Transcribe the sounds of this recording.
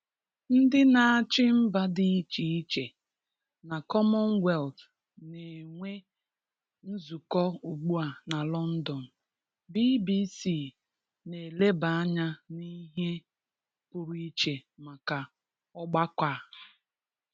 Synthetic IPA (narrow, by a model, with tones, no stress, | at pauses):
n̩˦dɪ˦na˨a˨t͡ʃɪ˦m̩˦ba˦dɪ˦t͡ʃi˨i˦t͡ʃe˨ | na˨kɔ˦mɔ˦n̩˦wɛ˦˨ld | ne˨ŋʷe˦ | n̩˦zu˨kɔ˦u˨ɡ͡bu˦a˨na˨lɔ˦n̩˦dɔ˨n̩˨ | bi˦bi˦si˦˨ | ne˨le˦ba˨a˦ɲa˦ni˦ɦe˦ | pʊ˨ɾi˦t͡ʃe˨ma˨ka˨ | ɔ˦ɡ͡ba˦kʷa˦˨